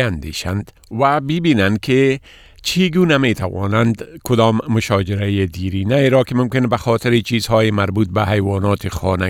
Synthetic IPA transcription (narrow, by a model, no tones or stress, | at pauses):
and̪ḛːʃa̰nd̪ | wabɪbiːnankʰɪ | t͡ʃʰiɡunamet̪ʰa̰wɒ̰ːnand̪kʊd̪ɔːmːʊʃɒːd͡ʒɪɾajed̪iɾiːnajeɾɔːkɪmʊmkɪnbaxɔːt̪ɪɾɪt͡ʃiːzhɔːjemaɾbuːt̪̚bahajwɒːnɔːt̪ʰɪxɒːna